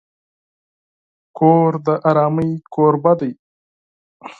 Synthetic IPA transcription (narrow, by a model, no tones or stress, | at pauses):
koːɾd̪əʔaɾɑːməjkoːɾbad̪aj